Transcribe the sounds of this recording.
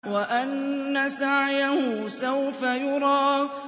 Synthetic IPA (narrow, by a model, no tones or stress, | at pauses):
waʔanːasaʕjahʊsawfajʊɾˤɑː